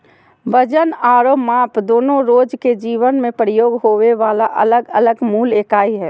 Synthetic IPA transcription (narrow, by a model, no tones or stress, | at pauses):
ʋəd͡ʒənaːɾoːmaːpd̪oːnõɾoːd͡ʒked͡ʒiːʋənmẽpəɾɪjoːɡɦoːʋeʋaːlaʔə̰ləɡələɡmuːleːkaːiɦɛː